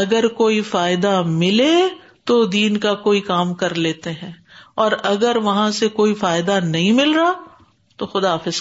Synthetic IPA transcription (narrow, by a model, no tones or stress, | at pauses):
ɐɡəɾkoːifaːɪd̪amɪle | t̪od̪iːnkakoːikaːmkɐɾleːt̪eɦɛ̃ːɔːɾɐɡəɾʋɐɦãsekoːifaːɪd̪anɐɦĩmɪlɾaː | t̪oxʊd̪aaːfɪz̥